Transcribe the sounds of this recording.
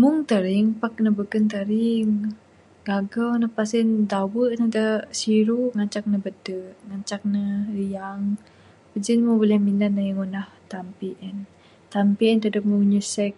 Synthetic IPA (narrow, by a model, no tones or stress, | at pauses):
muŋt̪əɾiŋpaknəbəkənt̪əɾiŋ | ɡaɡawnəpasəndawəʔnəd̪əsiɾuʔŋat͡ʃak̚nəbədəʔŋat͡ʃak̚nəɾijaŋ | pəd͡ʒənmubolɛhminanajəŋunaht̪ampiʔən | t̪ampiʔənt̪ədəpmuuɲusɛk̚